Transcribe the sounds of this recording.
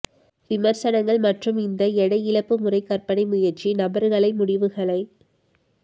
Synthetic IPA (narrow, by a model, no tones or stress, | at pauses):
ʋɪmɐɾsɐnɐŋɡɐɭmɐʈrɯmɪnd̪ɐɛɽɐɪɪlɐpːɯmʊrɐɪkːɐrpɐɳɐɪmʊjɐɾt͡ʃinɐbɐɾɣɐɭɐɪmʊɽɪʋɯɣɐɭɐɪ